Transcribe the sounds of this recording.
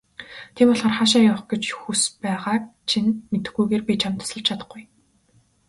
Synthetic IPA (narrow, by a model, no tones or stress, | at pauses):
t̪ʰepɔɮɔːrχaʃ̬aːjaːχɡet͡ɕxuspæːʁaːk̚t͡ɕʰinmet̪ɘ̆xɡujɣeːrpʲit͡ɕʰamt̪ə̥sə̆ɮt͡ɕt͡ɕʰat̪ə̆χɡuj